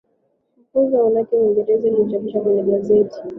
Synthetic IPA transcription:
m̩kuzaanakɛwiŋɡɛɾɛzailit͡ʃakiʃakwɛnɛɡazɛti̥

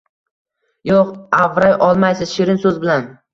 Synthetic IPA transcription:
joqavɾajʔɒlˠmajsɪzʃɪɾɪnsɵzbɪlan

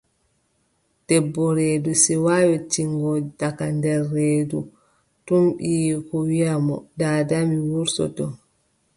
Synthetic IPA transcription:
d̥ɛbːɔɾedusiwajɔtiŋɡɔdakandɛɾːeːdu | tumɓikɔwijamɔdaːdamiwuɾsɔ̰tɔ

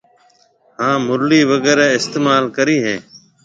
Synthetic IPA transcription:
hãːmʊɾliːʋəɡɛːɾɛːɪst̪eːmaːlkəɾiːɦẽː

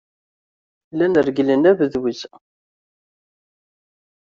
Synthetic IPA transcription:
lːænəɾɡlənævəðwiz

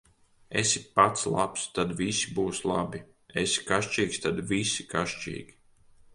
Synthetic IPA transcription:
esipat̪slˠa̰pst̪ad̪visibuːslˠabi | ḛsi̥kaʃt͡ʃiːkst̪ad̪visi̥kaʃt͡ʃḭːɡʲi

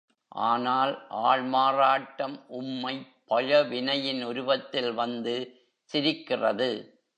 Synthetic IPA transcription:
ʔa̰ːnaːlʔaːɻmaːraːʈːɐmʔʊmːɐɪpːɐɻɐʋɪnɐjɪnʊɾʊbɐt̪ːɪlʋɐnd̪ɯ | sɪɾɪkːɪrɐ̰ðɯ

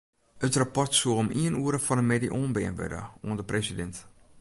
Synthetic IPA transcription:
ətrapɔrtsuəlomiənuːəɾəfɔnəmediʔoːnbɪ̰ənʋə̰də̰uəndəpresidɛnt

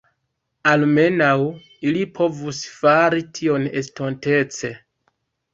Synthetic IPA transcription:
alme̞naw | ilipʰo̞vusfaɾitʰio̞ne̞sto̞nte̞t͡se̞

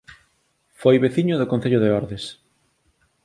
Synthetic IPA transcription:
fojβeθiɲoðokõn̟θeʎoðeɔɾðes

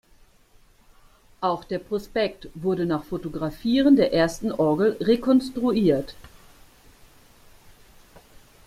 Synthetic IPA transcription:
ʔaʊxd̥eːɐpʁ̥ospɛktv̥ʊɐɾənaːχfotoɡʁafiːʁəndeːɐʔeːɐstn̩ʔɔɐɡl̩ʁekʰɔnstʁ̥uiːɐt

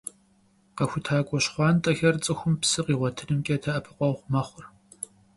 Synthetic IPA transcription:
qɐxʷʊtʰaːkʷʼɔɕχʷɑːntʼɐxɐrt͡sʼɨxʷʊmpsɨqiːʁʷɔtʰɨnɨmkʲʼɐtʰɐʔɐpʰɨqʷʼɔʁʷmɐχʷʊr

